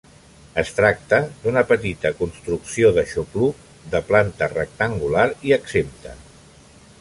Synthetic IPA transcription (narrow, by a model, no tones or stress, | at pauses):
əst̪ɾak̚t̪əd̪unəpət̪it̪əkunst̪ɾuksioðəʃupluk | ðəplant̪ərə̰k̚t̪əŋɡulaɾiəksemt̪ə̰